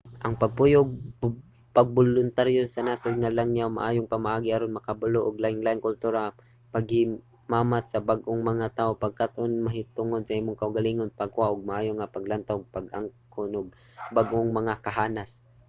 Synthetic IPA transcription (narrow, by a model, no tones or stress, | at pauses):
ʔɐŋpɐɡ̚pujoɡ̚ | paɡ̚bʊlʊnt̪aɾjosɐnasojŋalaŋjawma̰ʔaːjoŋpamaʔaːɡɪʔaɾonmɐkabʊloʔʊɡlaɪŋlajnkʊlt̪uɾa | paɡhɪ | maːmat̪sɐbaɡʔoŋmɐŋat̪aːʔopaɡ̚kat̪ʔonmɐɦɪt̪ʊŋod̪̚sɐʔimʊŋkɐʊɡaliŋonpaɡ̚kʊaʔʊɡ̚maʔaːjoŋapaɡlant̪awɡ̚paɡʔaŋkonʊɡ̚ | baɡʔoŋmɐŋakɐɦaːnas